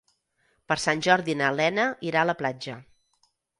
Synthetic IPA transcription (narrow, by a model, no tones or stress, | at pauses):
pəɾsanʲʒɔɾðinəlɛnəʔiɾaələplad͡ʒə